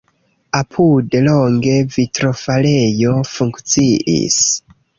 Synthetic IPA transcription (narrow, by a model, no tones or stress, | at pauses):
apʰudloŋɡe̞vitɾo̞fale̞jo̞fuŋkt͡siʔḭs